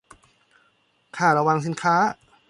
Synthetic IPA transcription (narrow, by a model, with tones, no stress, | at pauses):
kʰaː˧˩ɾa˧wa˧ŋs̬i˨˧˦nkʰaː˦˥